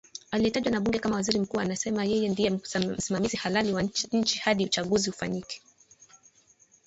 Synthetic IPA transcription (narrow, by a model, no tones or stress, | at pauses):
aliɛtaʄwanaɓuŋɡɛkamawaziɾim̩kuːanasɛmajɛjɛndijɛm̩simamizihalaliwaɲ̩t͡ʃihaɗiut͡ʃaɠuziufa̰ɲikɛ̥